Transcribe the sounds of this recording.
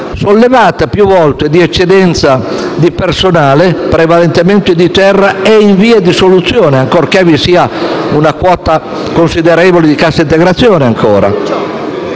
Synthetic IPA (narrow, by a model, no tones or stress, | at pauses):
solːevaːt̪apjuvɔlt̪ed̪iɛt͡ʃːed̪ɛnt̪sad̪ipersonaːlɪpɾevalɛnt̪ement̪id̪it̪ɛrːaeiɱviːed̪isolut̪sːjɔːnɪaŋkoɾkɛvisiːaunakwɔːt̪a | konsid̪eɾɛːvolɪd̪ikasːaint̪ɛɡɾat̪sːjɔːnɪaŋkʰɔːɾa̰